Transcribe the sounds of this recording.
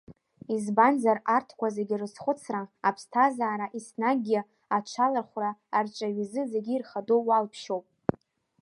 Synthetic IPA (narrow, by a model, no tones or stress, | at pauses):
izbanzarartʰkʷazeɡʲirɨsχʷʊt͡sʰraapʰstʰazaːɾaʔisnaɡʲɪ | at͡ʃʷʰalarχʷraːrt͡ʃʷʼaɥizɨze̞ɡʲiirχadowalpʰʃo̞wpʼ